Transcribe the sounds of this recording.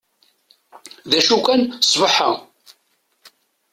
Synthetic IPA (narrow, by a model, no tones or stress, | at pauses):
ðæʃukænsˤvəħə